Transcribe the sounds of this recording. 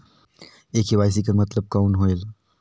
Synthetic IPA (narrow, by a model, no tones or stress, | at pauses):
eːkiʋaːɪs̬ikəɾmɐt̪ləb̚kaːnɦoːel